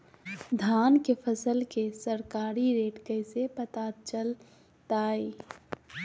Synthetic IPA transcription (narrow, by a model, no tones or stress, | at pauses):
d̪ʱaːnkepʰəsəlkesəɾkaːɾiɾeːʈkəɪsepət̪at͡ʃəl | t̪aːi